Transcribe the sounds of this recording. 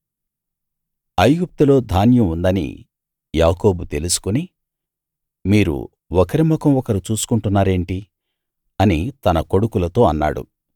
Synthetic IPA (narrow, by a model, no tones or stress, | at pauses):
ɐjɡup̚t̪ulo̞ːd̪ʱaːnjɐmund̪ɐnḭ | jaːko̞ːbut̪e̞lusu̥kuni | miːɾṵ | ɔkɐɾimɔkɐmɔkɐɾit͡ʃuːsu̥kuɳʈunːaːɾe̞ːɳʈi | ɐnit̪ɐnɐko̞ɽukulɐt̪o̞ːɐnːa̰ːɽṵ